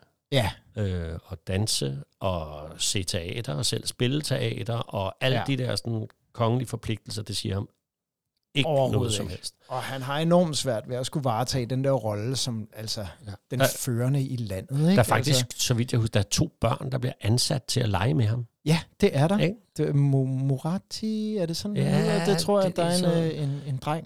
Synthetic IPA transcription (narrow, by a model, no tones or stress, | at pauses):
jæøɒ̽d̥ænsəʔɒ̽se̝̰t͡sʰe̝ɛ̰ːd̥ɐ̽ːsel̰sb̥e̝lət͡sʰe̝ɛ̰ːd̥ɐʔɒ̽æl̰d̥id̥eɐsɒn | kʰɒ̽ŋəlifɒ̽pʰle̝ɡ̥̚d̥l̩sɐd̥e̝siɐhɑ̈m | e̝ɡno̽ːð̩ˠsɒ̽mhel̰sd̥ɒ̽hænɦɑ̈e̝nɒ̰ːmsʋæɐ̰d̥ʋeɒsɡ̥uʋɑ̈ːt͡sʰɛ̰ːd̥end̥eɐʁɒ̽ləsɒ̽mæl̰sɒd̥enføːɐnəilæn̰ð̩ˠeɡ̥dɑɐfɑ̈ɡd̥issɡ̥sɒ̽ʋid̥jɑ̈ɪusd̥ɑ̈æɐt͡sʰo̝̰ːb̥ɶɐ̰nd̥ɑ̈b̥liɐʔænsæd̥̚t͡sʰe̝ælɑ̈ɪəmeɦɑ̈mjæd̥e̝ʔæɐɾɑd̥emmoʁɑt͡sʰiæɐd̥e̝sɒ̽nd̥et͡sʰʁo̝ɐ̰jad̥ɑɐene̝ne̝nd̥ʁɑŋ̰